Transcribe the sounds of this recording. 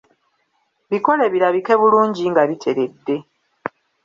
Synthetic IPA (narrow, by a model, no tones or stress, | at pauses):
βiko̞le̞βiɾaβike̞βuluːɲɟiŋɡaβitʰe̞ɾe̞dːe̞